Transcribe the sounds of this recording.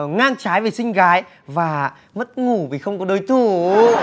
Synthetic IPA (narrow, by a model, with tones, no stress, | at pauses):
ŋaː˧ŋt͡ɕaː˨˦jve˨˩sï˧ŋ̟ɣaː˨˦j | vaː˨˩ | mə˦˥t̚ŋu˧˩vi˨˩xə˧wŋ͡mkɔ˨˦ɗo˧˨˧jt̪ʰu˧˩